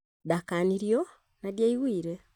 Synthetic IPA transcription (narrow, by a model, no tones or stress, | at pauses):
dakaniɾjo̞ | nadjaiwwiːɾe